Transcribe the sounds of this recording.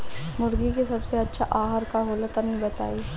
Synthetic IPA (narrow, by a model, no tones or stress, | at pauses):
mʊɾɡikisɐbseɐtːʃʰaʔaːɦəɾkaɦoːlət̪anĩbɐt̪a̰ːi